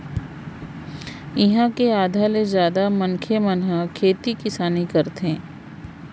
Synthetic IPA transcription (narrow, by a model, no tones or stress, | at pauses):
ɪɦãkeaːd̪ʱalezjaːd̪amɐnkʰemɐnɦakʰeːt̪ikɪsaːnikɐɾt̪ɦɛ̃ː